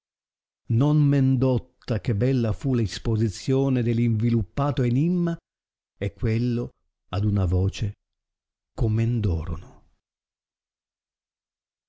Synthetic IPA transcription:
nonmend̪ot̪ːak̟ebːɛlːafulaispozit̪sːjoːned̪elːiɱvilupːaːt̪oenimːa | ɛkːwelːo | ad̪unavɔːt͡ʃe | komend̪ɔ̰ːɾo̰no

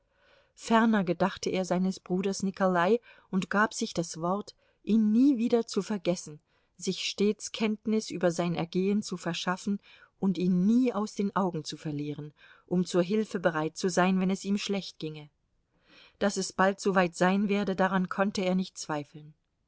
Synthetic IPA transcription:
fɛɐnɐɡədaχtəʔeːɐzaɪnəsb̥ʁuːdɐsnɪkolaɪʔʊntɡ̥aːpz̥ɪçd̥asv̥ɔɐt | ʔiːnːiːviːdɐt͡sufɛɐɡɛsn̩ | zɪçʃteːt͡skʰɛntnɪsʔyːbɐzaɪnɛ̰ɐɡeːənt͡sufɛɐʃafn̩ | ʔʊntiːnːiːaʊsd̥eːnʔaʊɡŋ̩t͡sufɛɐliːʁən | ʔʊmt͡suːɐɦɪlfəbəʁaɪt̚t͡suzaɪnvɛnɛsiːmʃlɛçt̚ɡ̥ɪŋə | d̥asɛsb̥altz̥oːvaɪtz̥aɪnveːɐdədaʁankʰɔntəeːɐnɪçtt͡sv̥aɪfl̩n

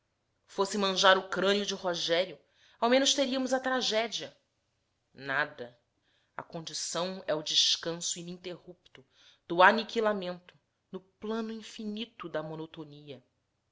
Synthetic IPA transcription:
fosɪmɐ̃ʒaɾʊkɾɐ̃njʊd͡ʒɪhoʒɛɾjʊ | awmẽnʊʃt̪eɾiɐmʊzɐt̪ɾaʒɛd͡ʒiɐ | nad̪ɐ | ɐ̰kõnd͡ʒisɐ̃w̃ɛʊd͡ʒɪʃkɐ̃sʊinĩt̪ehup̚t̪ʊ | d̪ʊanikilamẽnt̪ʊ̥ | nʊplɐ̃nʊĩfinit̪ʊd̪ɐmonot̪oniɐ

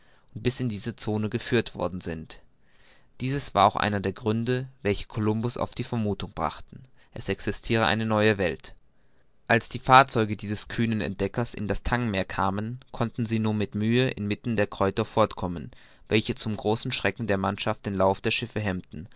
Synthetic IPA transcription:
ʔʊnt̚b̥ɪsɪndiːzət͡soːnəɡəfyːɐtv̥ɔ̰ɐdn̩zɪnt | d̥iːzəsv̥a̰ːɐaʊxʔa̰ɪnɐdeːɐɡʁʏndəvɛlçə̥kʰolʊmbʊsa̰ʊfd̥iːfɛɐmuːtʊŋb̥ʁa̰χtn̩ | ʔɛsʔɛksɪstʰiːʁ̞əʔa̰ɪnənɔʏəvɛlt | ʔalsd̥iːfaːɐt͡sɔʏɡədiːzəskʰyːnənɛ̰nt̚d̥ɛkɐsɪ̰ndastʰaŋmeːɐkʰaːmənkʰɔntn̩ziːnuːnmɪtmyːəʔɪ̰nmɪtn̩deːɐkʁ̥ɔʏtɐfɔɐtkʰɔmən | vɛlçət͡sʊmɡʁoːsn̩ʃʁ̥ɛkŋ̩deːɐmanʃaft̚d̥eːnlaʊfd̥eːɐʃɪfəɦɛmtn̩

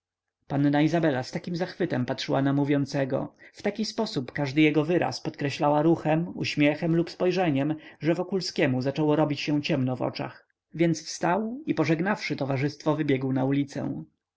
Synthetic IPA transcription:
panːaizabɛlast̪akʲimzaxfɘt̪ɛmpatʂɘwanamuvʲjɔnt̪sɛɡɔ̰ft̪akʲispɔsupkaʐd̪ɘjɛɡɔvɘɾa̰spɔt̪kɾɛɕlawaɾuxɛmṵɕmʲjɛxɛmlupspɔjʐɛɲɛmʐɛvɔkulskʲɛmuzat͡ʂɔwɔɾɔbʲit͡ɕɕɛ̃t͡ɕɛmnɔvɔ̰t͡ʂa̰x | vʲjɛnt̪sfst̪awipɔʐɛɡnafʂɘt̪ɔvaʐɘst̪fɔvɘbʲjɛɡwnaulʲit̪sɛ̰̃

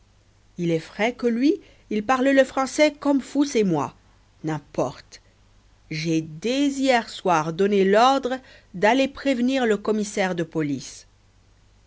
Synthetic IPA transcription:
ilɛfχɛkəlɥi | ilpaʁlləfχɑ̃sɛkɔmfusemwa̰ | nɛ̃pɔʁt̪ | ʒɛd̪ezijɛʁswaʁd̪ɔnelɔʁd̪ʁd̪alepχevniʁləkɔmisɛʁd̪əpɔlis

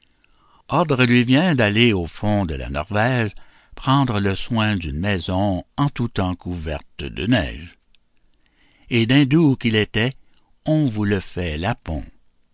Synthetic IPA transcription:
ɔʁd̪ʁəlɥivjɛ̃d̪aleofɔ̃d̪əla̰nɔ̰ʁvɛʒ | pʁɑ̃d̪ʁələswɛ̃d̪ynmɛzɔ̃ɑ̃t̪ut̪ɑ̃kʰuvɛ̰ʁt̪d̪ə̰nɛ̰ːʒ | ed̪ɛ̃d̪ukilet̪ɛ | ɔ̃vuləfɛlapɔ̰̃

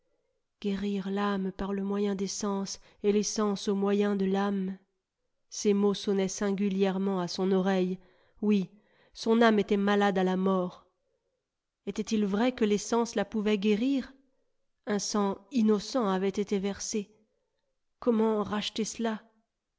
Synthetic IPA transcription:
ɡ̥eʁiʁlampaʁləmwajɛ̃d̪esɑ̃s | elesɑ̃somwajɛ̃d̪əlam | semosɔnɛsɛ̃ɡʲyljɛʁmɑ̃asɔ̃nɔʁɛj | wi | sɔ̃namet̪ɛmalad̪alamɔʁ | ɛt̪ɛt̪ilvʁɛkəlesɑ̃slapuvɛɡʲeʁiʁ | ɛ̃sɑ̃inɔsɑ̃avɛt̪et̪evɛʁse | kɔmɑ̃ʁaʃt̪esəla

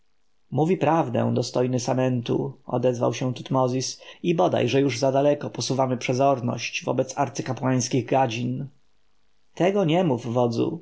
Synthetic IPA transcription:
muvʲipɾavd̪ɛ̰̃w̃d̪ɔst̪ɔjnɘsamɛnt̪ṵɔ̰d̪ɛzva̰wɕɛw̃t̪ut̪mɔzʲisibɔd̪a̰jʐɛjuʐzad̪alɛkɔpɔsuvamɘpʂɛzɔɾnɔ̰ɕt͡ɕvɔ̰bɛt̪sa̰ɾt̪sɘkapwaj̃skʲiɣɡad͡ʑin | t̪ɛɡɔɲɛmuvvɔd̪zṵ

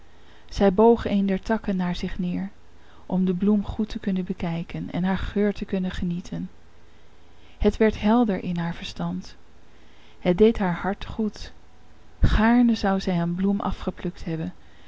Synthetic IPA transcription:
z̥ɛjbowχejndɛɹtɑkənːaːɹzɪχnɪːɹ | ʔɔmdəblumχutəkɵnənbəkɛjkənɛ̰nɦaːɹχøːɹtəkɵnəχənitʰən | hətʋɛɹtɦɛlˠdəɹʔɪnɦaːɹvəɹstɑnt | hət̚dejtɦaːɹhɑɹtχut | χaːɹnəzɑwzɛjənblumʔɑ̰fχəplɵktɦɛbən

